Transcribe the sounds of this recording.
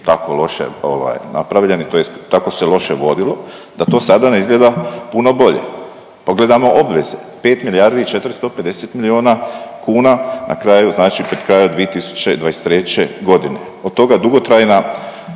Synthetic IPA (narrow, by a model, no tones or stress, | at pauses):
t̪akolo̞ʃḛo̰ʋa̰jna̰pɾaʋʎe̞nit̪ojest̪ako̞selo̞ʃeʋo̞d̪ilo̞d̪at̪o̞ːsad̪aneizɡlʲe̞d̪apuno̞bo̞ʎe̞̰ | po̞ɡle̞d̪amo̞ʔo̞bʋe̞ze̞pe̞ːt̪milijaɾd̪iit͡ʃe̞t̪ɾst̪o̞pe̞d̪e̞se̞t̪milioːnakuːnanʔa̰kɾaːjuznaːt͡ʃipɾed̪̥kɾaːjod̪ʋije̞t̪isu̥t͡ɕeid̪ʋajest̪ːɾe̞t͡ɕe̞ɡo̞d̪ine̞̰ | od̪̚t̪o̞ɡad̪uɡo̞t̪ɾajna